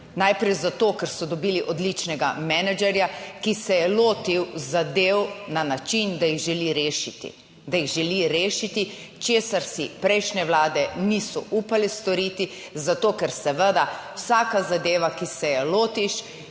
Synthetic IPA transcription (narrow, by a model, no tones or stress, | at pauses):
najpɾɛjzat̪oːkɛɾsɔd̪ɔbiːliʔɔd̪lit͡ʃnɛɡamɛnɛd͡ʒɛɾjakisɛjɛloːt̪iwzad̪eːwnanat͡ʃind̪ajiɣʒɛliɾeːʃit̪ḭ | d̪ajiɣʒɛliɾeːʃit̪i | t͡ʃeːsaɾsipɾɛjʃnɛwlaːd̪ɛnisɔʔuːpalist̪ɔɾiːt̪i | zat̪oːkɛɾsɛʋəd̪awsaːkazad̪eːʋakisɛjɛloːt̪iʃ